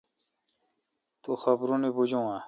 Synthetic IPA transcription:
t̪uxɐbɾũnibud͡ʑũa

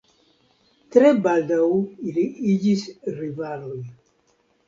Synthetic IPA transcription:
t̪ɾɛbald̪auiliid͡ʒisrivaloj

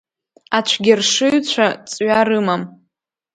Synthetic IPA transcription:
at͡ʃʷʰɡʲɪrʂɨɥt͡ɕʷʰat͡sʼɥaɾɨmam

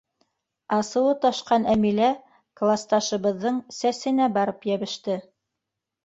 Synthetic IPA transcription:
ɑsɤ̆wɤt̪ɑʃqɑnæmilæ | klˠast̪ɑʃɤ̆βɤ̆ðːɤɴsæsɘ̆næbɑɾɤpjæβɘ̆ʃt̪ɘ

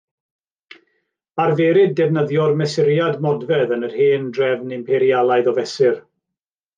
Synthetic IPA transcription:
arvɛːɾɪdɛvnəðjɔrmɛsɪɾjadmɔdvɛðənərheːndrɛvnɪmpʰɛɾjalˠaɨðɔvɛsɪr

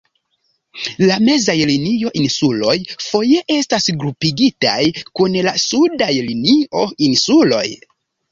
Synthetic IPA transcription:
lame̞zajlinio̞ʔinsulo̞jfo̞je̞ʔe̞stasɡɾupiɡita̰jkunlasudajlinio̞insulo̞̰j

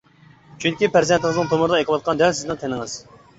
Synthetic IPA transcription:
t͡ʃʰyŋkʲipʰæɾzɛnt̪ʰɪŋɨzɨŋt̪ʰomʊɾɨd̪ɑekʰəwɑt̪̚qʰɑnd̪ɛlsɪznɪŋt̪ʰenɪŋɨz̥

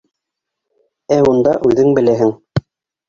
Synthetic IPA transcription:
æund̪ɑʔʉðɘŋbɘ̆læɦɘŋ

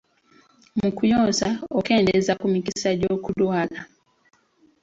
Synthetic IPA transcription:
mukujoːnsaokeːndezakumikisaɟo̞ːkulwaːla

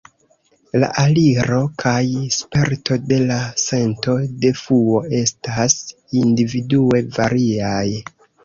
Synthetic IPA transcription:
la̰ʔaliɾo̞kʰajspe̞ɾtʰo̞de̞lase̞nto̞de̞fuo̞e̞stas | individue̞vaɾiaj

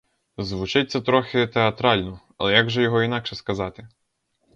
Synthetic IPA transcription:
zʋʊt͡ʃɪtʲt͡sʲɐt̪ɾɔxɪt̪eɐt̪ɾɑlʲnɔ | ɐ̰lˠɛjaɡʒɛjɔɦɔinɑkʃɛskɐzɑt̪ɪ

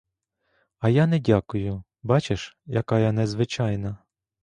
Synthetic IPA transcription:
ɐjanɛdʲakʊjʊ | bɑt͡ʃeʃjɐkɑjɐnɛzʋɪt͡ʃɑjnɐ

